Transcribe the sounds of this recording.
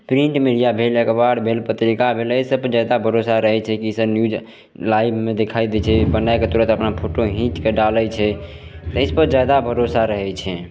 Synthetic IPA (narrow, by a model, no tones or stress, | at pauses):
pɾĩɳʈmiɽijabʱelekbaɽbʱelpət̪ɾikabʱelejsəbd͡ʒad̪abʱəɾosaɾəɦɛt͡ʃʰɛkisəbnjud͡ʒ | lajbʱmed̪ekʰajd̪ɛt͡ʃʰɛbənajket̪uɾət̪əpnapʰoʈoɦĩt͡ʃ̪keɖalət͡ʃʰɛ | t̪əspəɾd͡ʒjad̪abʱəɾosaɾəɦɛt͡ʃʰɛ